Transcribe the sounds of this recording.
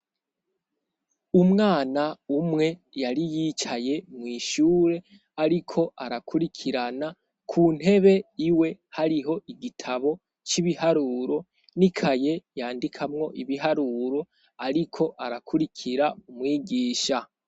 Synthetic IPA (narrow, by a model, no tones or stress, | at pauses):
umŋaːnaumŋe̞ | jaɾijit͡ʃaje̞mŋiːʃuːɾe̞ | aɾikʰo̞ʔaɾakʰuɾikʰiɾana | kʰun̥he̞βe̞iwe̞haɾiɦo̞iɡitʰaβo̞ | t͡ʃiβihaɾuːɾo̞ | nikʰaje̞jaːndikʰamŋo̞ʔiβiɦaɾuːɾo̞ | aɾikʰo̞ʔaɾakʰuɾikʰiɾaumŋiːɡiːʃa